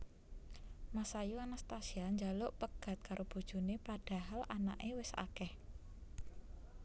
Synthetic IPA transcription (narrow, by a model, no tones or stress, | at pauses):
masajuanast̪asiaɲd͡ʒalʊʔpəɡ̥a̤t̪̚kaɾʔob̥ṳd̥ʒ̥ṳnepad̥a̤ɦalana̰ʔewɪsa̰kɛh